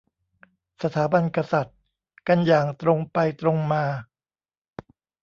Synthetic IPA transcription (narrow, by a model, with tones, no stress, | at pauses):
sa˧t̪ʰaː˩˦ba˧nka˧sa˨˩t̪̚ | ka˧njaː˨˩ŋt̪ɾo˧ŋpa˧jt̪ɾo˧ŋmaː˧